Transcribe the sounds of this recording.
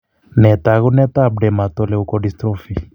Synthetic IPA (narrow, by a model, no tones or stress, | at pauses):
nɛt̪aɣunɛt̪ab̚ɖɛmat̪ɔlɛukɔdist̪ɾɔfi